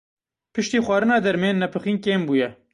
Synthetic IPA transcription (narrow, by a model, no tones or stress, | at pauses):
pɨʃt̪iːxwɑːɾɨnɑːd̪ɛɾmeːnːɛpʰɨxiːnkeːmbuːjɛ